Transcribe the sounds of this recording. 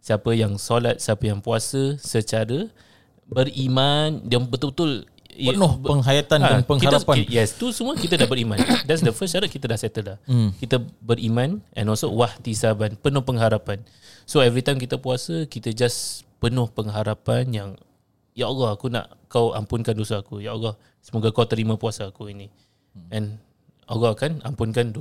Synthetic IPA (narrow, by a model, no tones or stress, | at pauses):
siapəjaŋsolat̪̚siapəjaŋpuasəsət͡ʃaɾə | bərimãndambət̪ubət̪ʊl | nʊhpəŋɦajat̪anadanpəŋkiaɾapajɛst̪usəmuəkit̪ədabəɾimãndɛts̬dəfəst͡ʃaɾat̪̚kit̪ədahsɛt̪əlahkit̪əbərimãnʔɛ̰̃nɔlsowaht̪isabanpənʊhpəŋɦaɾapan | soɛvɾit̪ajmk̬it̪əpuasəkit̪əd͡ʒaspənʊ̃hpəŋɦaɾapanjaŋ | jaʔoɡɔhakuna̰ʔkawa̰mpʊnkandosaakujaʔoɡɔh | səmoɡakawt̪əɾimãpuasaːkuini | ɛ̃n | oɡaakana̰mpʊnkando